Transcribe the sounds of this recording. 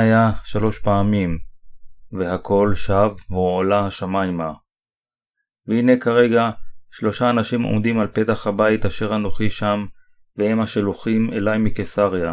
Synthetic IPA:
ajaʃalo̞ʃpaːmim | veɦakʰo̞lʃavvuolahaʃamajma | veine̞kaʁe̞ɡaʃlo̞ʃaːnaʃimo̞̰md̪imalpe̞t̪aχhabait̪aʃe̞ʁhanoχiʃam | vehe̞mhaʃeluχimelajmikesaʁja

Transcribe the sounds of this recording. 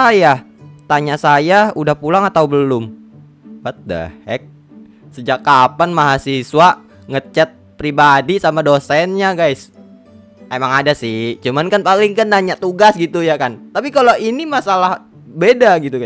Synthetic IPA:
sajat̪aɲasajaudahpulaŋat̪aubəlʊm | pat̪̚də̰hɛk̚ | səd͡ʒakːapanmaɦasiswa | ŋət͡ʃat̪̚pɾibadisamadosɛnɲaɡajs | emaŋadasɪt͡ʃumankanpalɪŋkandaɲaʔt̪uɡasɡit̪ujakant̪apikaloʔinimasalah | bedaɡit̪uɡa

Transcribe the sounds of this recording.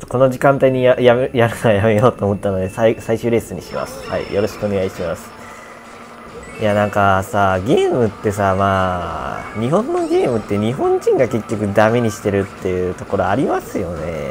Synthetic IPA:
t̪ːoko̞no̞ʑikãnt̪aiɲ̟ijajajaɾɯajame̞jo̞ːt̪oːmo̞t̪ːano̞d̪e̞saisaiɕɨːɾe̞ːsɨɲ̟ḭɕima̰sɨ̥ha̰ḭjʔo̞ɾo̞ɕi̥kɯo̞ne̞ɡaiɕimasɨ̥ | janãŋkasaɡʲe̞ːmɯ̟t̪ːe̞samaː | ɲ̟iɦõ̞nːo̞ɡʲe̞ːmɯ̟t̪ːe̞ɲ̟iɦõ̞ɲd͡ʑĩŋɡake̞kʲːo̞k̬ɯ̟d̪ame̞ɲ̟iɕi̥t̪e̞ɾɯ̟t̪ːe̞jɯ̟ːt̪o̞ko̞ɾo̞aɾʲimasɨjo̞ne̞̰

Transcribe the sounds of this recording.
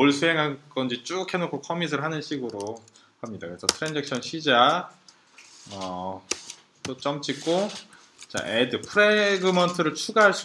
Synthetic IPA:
oɭsʰuɦe̞ŋɦak͈ʌnd͡ʑit͡ɕ͈ukʰe̞nokʰokʰʌmis̬ʰɯɾɭɦanɯnɕʰiɡɯɾo | hamɲida̰kɯɾesʰʌtʰɯɾend͡ʑekɕʰʌnɕʰid͡ʑa | ʌ | t͈ot͡ɕ͈ʌmt͡ɕ͈ik͈o | t͡ɕa̰ʔedɯpʰɯɾeɡɯmʌntʰɯɾɯɭt͡ɕʰuɡaɦaɭs͈u

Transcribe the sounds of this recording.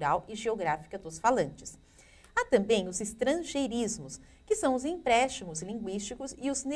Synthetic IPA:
ɾawɪʒeoɡɾafi̥kɐd̪ʊsfalɐ̃nt͡ʃɪ̥s | at̪ɐ̃mbẽj̃ʊzɪst̪ɾɐ̃ʒeɾizmʊs | kɪsɐ̃w̃ʊzĩpɾɛst͡ʃimʊzlĩŋɡwist͡ʃikʊzɪʊzne

